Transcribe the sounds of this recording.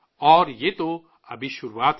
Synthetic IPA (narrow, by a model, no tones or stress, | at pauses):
ɔːɾjet̪o | ɐ̰biʃuɾwat̪